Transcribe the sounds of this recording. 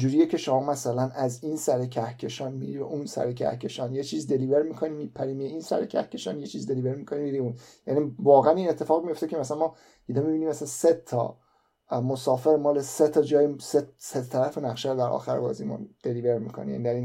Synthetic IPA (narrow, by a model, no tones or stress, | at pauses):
d͡ʒuːɾijecʲʰe̞ʃomɒːmæsælænæzinsæɾecʰæhcʰe̞ʃɒːnmiɾibeʔunsæ̰ɾecʰæ̰hcʲʰe̞ʃɒːnjet͡ʃʰiːzd̪e̞liveɾmikʰonimipʰæɾimieinsæ̰ɾecʰæ̰hcʰːe̞ʃɒːnjet͡ʃʰiːzd̪e̞live̞ɾmikʰonimiːɾiunjænivɒːɣeæniːnet̪ʰːe̞fɒːɣmijo̞ft̪ecʰemæsænmɒː | id̪ɒmibiniːmæsælænset̪ʰːɒ̰ | mosɒːfe̞ɾmɒːle̞set̪ʰɒd͡ʒɒːjeseset̪t̪ʰːæɾæfenæɣʃæɾod̪æɾʔɒ̰ːxæɾbɒ̰ːzimṵnd̪̥e̞liveɾmḭkʰonḭjæ̰nid̪æɾin